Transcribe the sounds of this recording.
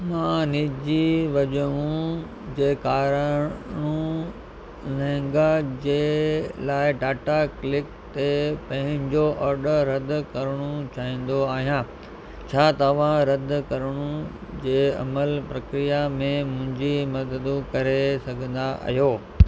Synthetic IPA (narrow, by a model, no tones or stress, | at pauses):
mãːniːd͡ʑiʋɐʄəũ | d͡ʑeːkaːɾəɽ̃ũ | lɛ̃ːŋɡad͡ʑeːlaːɪɖaːʈaklɪk | t̪epɐ̃ɦɪ̃ɲd͡ʑoʔɔːɾɖəɾːɐd̪ʱʊkɐɾəɽ̃ut͡ɕaːɦĩːn̆d̪oaːɦijã | t͡ɕʰaːt̪ɐʋ̤ãɾɐd̪ʱkɐɾəɽ̃ud͡ʑeːɐ̰məlpɾɐkɾijamẽmʊ̃ɦɪ̃ɲd͡ʑimɐd̪əd̪ũkɐɾesɐɡʱə̃nd̪aɐ̰ɦijoː